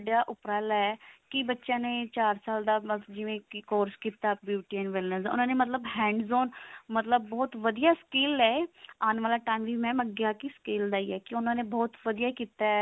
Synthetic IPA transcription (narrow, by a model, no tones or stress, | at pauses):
ɖjaːʔʊpɾaːlaɛːkɪbətːʃãːneːt͡ʃaːɾsaːld̪aːməd͡ʒɪʋẽːkoːɾskiːt̪aːbjuːʈiɛːnʋɪlnəsʊ̰nãːneːmət̪̬ləbhɛ̃ːɳɖzoːnmət̪ləbːɔːt̪ʋəd̪ijaːskɪːlɛːaːnʋaːlaːʈãːnʋiːmɛ̃ːməɡjaːkiskeːld̪aːiːɛːkɪʊnãːneːbɔːt̪ʋəd̪ijaːkiːt̪aːɛ